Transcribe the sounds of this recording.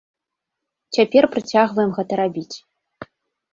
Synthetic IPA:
t͡sʲapʲɛrpɾɨt͡sʲaɣvɐjɛmɣɛt̪ɐɾabʲit͡sʲ

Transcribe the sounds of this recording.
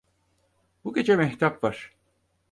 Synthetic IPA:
buɟʲe̞d͡ʒɛmɛht̪ʰapvaɾ̥

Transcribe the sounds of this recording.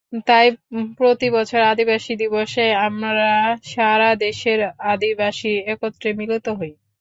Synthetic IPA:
t̪ajpɾot̪ibɔt͡ɕʰoɾad̪ibaʃid̪iboʃeamɾaʃaɾad̪eʃeɾad̪ibaʃiɛkot̪ːɾemilot̪oɦoj

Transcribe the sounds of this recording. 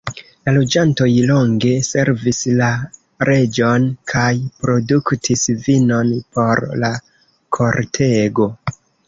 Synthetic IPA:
lalo̞d͡ʒanto̞jlo̞ŋɡe̞se̞ɾvisla | ɾʔe̞d͡ʒo̞nkʰajpɾo̞duktʰisvino̞npo̞ɾla | kʰo̞ɾtʰe̞ɡo̞

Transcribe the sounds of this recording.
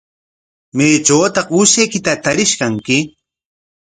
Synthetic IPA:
mejt͡ʃaːt̪ɑqʊsajkɪt̪at̪aɾɪʃkaŋkɪ

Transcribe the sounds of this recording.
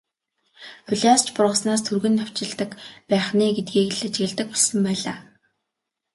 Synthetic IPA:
fɵɮʲast͡ɕpʊrʁə̆snaːst̪ʰurɣɘ̆nːaw̥t͡ɕɪ̆ɮt̪ə̆kpæːχniːɡet̪̚ɡiːkɘ̆ɮat͡ɕɣɘ̆ɮt̪ə̆k̚pɔɮsə̆mpæːɮa̰ː

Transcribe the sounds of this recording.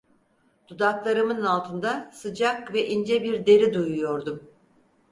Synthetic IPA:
d̪̥ud̪aklˠaɾɯmɯnalˠt̪ʰɯnd̪asɯd͡ʒakvɛʔind͡ʒɛbiɾd̪e̞ɾid̪ujujo̞ɾd̪um

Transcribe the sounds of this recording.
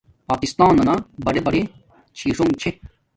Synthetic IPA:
paːkist̪ãːnɐnabɐɽebɐɽe | t͡ɕʰiːʂoŋt͡ɕʰe

